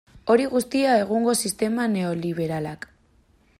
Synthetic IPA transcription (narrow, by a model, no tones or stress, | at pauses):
o̞ɾiɣust̪iae̞ɣ̞uŋɡo̞sist̪e̞mane̞o̞liβ̞e̞ɾalak